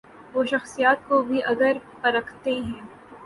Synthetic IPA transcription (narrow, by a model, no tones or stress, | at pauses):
ʋoːʃɐxsijaːt̪̚kobʱiʔɐɡəɾpɐɾɐkʰt̪eɦɛ̃ː